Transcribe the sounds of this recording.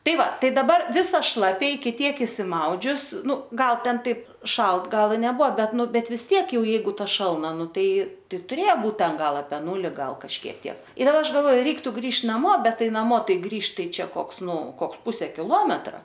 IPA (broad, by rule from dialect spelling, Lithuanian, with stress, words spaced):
ˈtɐɪ ˈʋɐ ˈtɐɪ dɐˈbɐr ˈʋʲɪsɐ ˈʃlˠɑːpʲɛ ɪkʲɪ ˈtʲiɛk ɪʃʲsʲɪˈmɐʊd͡ʒʲʊs ˈnʊ ˈɡɐlˠ ˈtʲɛn ˈtɐɪp ˈʃɐlˠt ˈɡɐlˠ ɪ nʲɛˈbuɔ ˈbʲɛt ˈnʊ bʲɛt ʋʲɪs ˈtʲiɛk ˈjɛʊ ˈjɛɪɡʊ ˈtɐ ʃɐlˠˈnɐ ˈnʊ ˈtɐɪ ˈtɐɪ tʊˈrʲeːjɛ ˈbuːt ˈtʲɛn ˈɡɐlˠ ɐpʲɛ ˈnuːlʲɪ ˈɡɐlˠ kɐʃʲˈkʲiɛk ˈtʲiɛk ɪr ˈɐʃ ɡɐlˠˈʋoː ˈrʲɛɪktʊ ˈɡrʲiːʃ nɐˈmoː ˈbʲɛt ˈtɐɪ nɐˈmoː ˈtɐɪ ˈɡrʲiːʃt ˈtɐɪ ˈt͡ʃʲɛ ˈkoːks ˈnʊ ˈkoːks ˈpʊsʲɛ kʲɪˈlˠoːmʲɛtrɐ